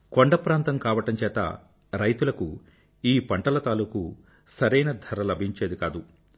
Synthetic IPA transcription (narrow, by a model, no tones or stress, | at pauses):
koɳɖɐpɾaːnt̪ɐmkaːʋɐʈɐmt͡ʃɛːt̪ɐ̰ | ɾɐjt̪ulɐku | iːpɐɳʈɐlɐt̪aːluku | sɐɾɐjnɐd̪ʱɐɾɐlɐbʱiɲt͡ʃeːd̪ikaːd̪u